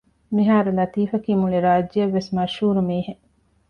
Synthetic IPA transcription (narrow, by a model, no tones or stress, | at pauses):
miɦaːɾulɐt̪iːfɐkiːmuɭiɾaːd͡ʒːijɐʋːesmɐʃhuːɾumiːhe